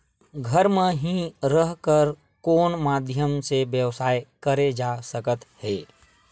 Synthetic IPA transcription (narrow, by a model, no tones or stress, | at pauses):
ɡʱəɾmẽɦĩɾəɦkəɾ | koːnmaːd̪ʱjəmseʋjəʋsaːekəɾed͡ʒasəkət̪heː